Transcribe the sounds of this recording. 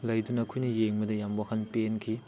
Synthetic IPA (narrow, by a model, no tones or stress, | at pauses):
lɐjdunɐkʰujnɐjeŋmɐdɐjambwahɐnpenkʰi